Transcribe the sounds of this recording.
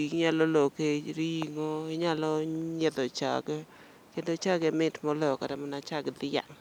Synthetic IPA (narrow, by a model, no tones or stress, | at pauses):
ikɲalɔlokeɾiŋoɪɲalɔɲɛd̪ɔt͡ʃa̰ɡ | kendot͡ʃaɡɛmɪtmɔlɔkaɾamɔnat͡ʃaɡd̪ɪja̰ŋ